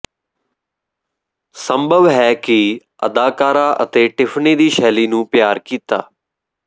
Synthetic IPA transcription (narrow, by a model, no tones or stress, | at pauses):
səmbʱəʋɦɛːkɪ | ə̰d̪aːkaːɾaːʔə̰t̪eːʈɪfʰneːd̪iːʃɛːliːnũːpjaːɾkiːt̪a̰ː